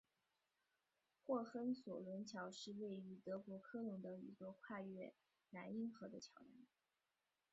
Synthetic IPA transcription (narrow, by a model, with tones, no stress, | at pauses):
xwɔ˥˩xə˥nswɔ˨˩lwə˧˥nt͡ɕʰjɑ˧˥ʊʂɻ̩˥˧we˥˩ɪy˧˥t̪ɤ˧˥kwɔ˧˥kʰɤ˥lʊ˧˥ŋd̪ə˧ḭ˧˥t͡swɔ˥˧kʰwa˥˧ɥɛ˥˩ | na˧˥ni˥ŋxɤ˧˥d̪ə˧t͡ɕʰjɑ˧˥ʊja̰˥˩n